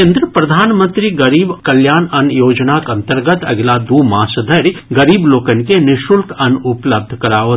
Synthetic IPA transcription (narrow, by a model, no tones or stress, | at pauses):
ẽːnd̪ɾəpɾɐd̪ʱaːnmə̃nt̪ɾiɡɐɾiːbkɐljaːnɐnjoːd͡ʒnakɐ̃nt̪əɾɡət̪ɐ̰ɡlad̪uːmãːsəd̪ʱɐɾiɡɐɾiːbloːkənkenɪʃulkɐnʊpləb̚d̪ʱkɐɾaːo